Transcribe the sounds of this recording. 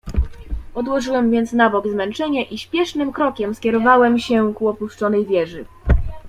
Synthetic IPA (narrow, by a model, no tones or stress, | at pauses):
ɔd̪wɔʐɘwɛmvʲjɛnt̪snabɔɡzmɛnt͡ʂɛɲaʔiɕpʲjɛʂnɘmkɾɔkʲɛmskʲjɛɾɔvawɛmɕɛkuɔpuʂt͡ʂɔnɛjvʲjɛʐɘ